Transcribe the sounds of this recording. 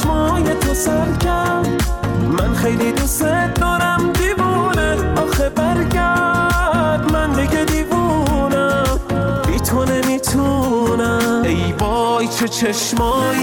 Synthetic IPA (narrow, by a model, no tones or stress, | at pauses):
mɔːjet̪ʰosaɾkʰa | mænxejlid̪used̪ɔːɾæmd̪ivune | bɔːxebæɾɡa | d̪mænbiɡed̪ivunæm | it̪ʰonemit̪ʰunaejbɔjt͡ʃʰet͡ʃʰeʃmɔj